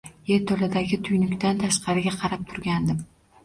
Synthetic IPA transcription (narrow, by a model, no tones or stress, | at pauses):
je̞ɾt̪ʰɵlɪd̪aɡʲɪt̪ʰʊjnʏkʲt̪ant̪ʰaʃqɑɾɪɡʲaqʰɑɾap̚t̪ʰʊɾɡʲand̪ɪm